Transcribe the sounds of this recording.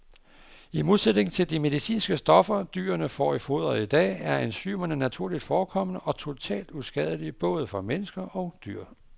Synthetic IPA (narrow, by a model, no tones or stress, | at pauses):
imo̝ð̞ˠsed̥ne̝ŋn̩t͡sʰe̝ld̥ime̝ð̞ˠisḭːnsɡ̥əsd̥ɒ̽fɐd̥y̰ːɐnəfɒ̰ːifo̝ːð̰ˠɐid̥ɛ̰ːæɐænsy̰ːmɐnənæt͡sʰuɐ̰lid̥fɒːkʰɒ̽m̰ənəʔɒ̽t͡sʰo̝t͡sʰɛ̰ːld̥usɡ̥ɛð̞ˠəlib̥ɔ̽ːð̞ˠəfɒ̽menəsɡ̥ɐʔɒ̽ʊd̥yɐ̰